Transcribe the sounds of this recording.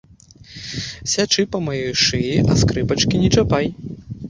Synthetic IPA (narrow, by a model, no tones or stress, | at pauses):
sʲat͡ʂɨpɐmajɔjʂɨjiʔɐ̰skɾɨpɐt͡ʂkʲinʲɛt͡ʂapaj